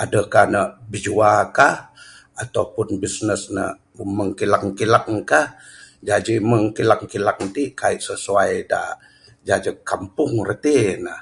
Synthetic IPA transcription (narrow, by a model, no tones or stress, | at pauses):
adəkahnəbid͡ʒuakah | at̪aupʊnbisnəsnə̰ | məŋkilakŋkilak̚kahd͡ʒad͡ʒiməŋkilakŋkilak̚t̪ikaiʔsəsuajda̰ | d͡ʒad͡ʒəkːampʊŋrət̪inəh